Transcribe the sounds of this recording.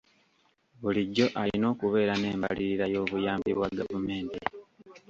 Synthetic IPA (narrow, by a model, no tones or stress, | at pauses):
βuliɟːo̞ʔalino̞ːkuβe̞ːɾane̞ːmba̰liɾiɾajo̞ːβujaːmbiβwaɡavume̞ːnte